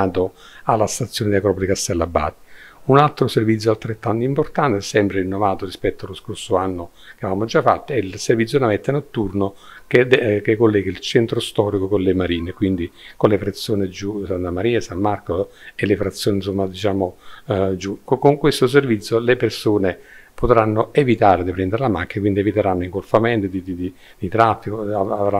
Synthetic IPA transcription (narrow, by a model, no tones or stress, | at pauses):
at̪o | alːast̪at̪sːjoːned̪elakɾɔːpolikast̪ɛlːabːa̰ːt̪ːi̥unalt̪ɾoservit̪s̬ːjoalt̪ɾet̪ːant̪oimport̪ant̪ɛsːɛmpɾeinːovaːt̪orispɛt̪ːoaloskorsoanːo | keavaːmod͡ʒafːa̰t̪ːoɛilservit̪s̬ːjonamɛt̪ːenot̪ːurno | kekekːolːɛːɡailt͡ʃɛnt̪ɾost̪ɔːɾikokonlemaɾiːnekwind̪ikolefɾat̪sːjoːned͡ʒusant̪amaɾiːasamːarkoelefɾat̪sːjoːnins̬omːad̪it͡ʃaːmod͡ʒukkoŋkwest̪os̬ervit̪sjolepersoːnepot̪ɾanːoevit̪aːɾed̪ipɾɛnd̪eɾelamakːjakwind̪ievit̪eɾanːoiŋkolfamɛnt̪od̪id̪id̪i | d̪̥it̪ɾafːikoaavɾa